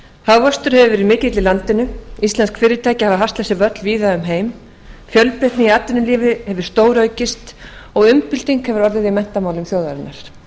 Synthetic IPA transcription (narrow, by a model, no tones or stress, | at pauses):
haːwvœst̪ʏɾ̥hɛvʏvɛɾimɪːcɪt̪lɪlant̪ɪnːʏist̪lɛnskfɪːɾɪt̪ʰaːjcɪhavaɦafst̪lɛsɪvœt̪lviːðaʏmɦeːjm | fjœlpɾɛht̪nɪiat̪ːɪnʏliːvɪhɛvʏɾ̥st̪oːwɾœːɥcɪst̪ɔɣʏmpɪlt̪iŋkhɛvʏɾɔɾðɪðiamɛn̥t̪amaːwlʏmθjowðaɾɪnːaɾ̥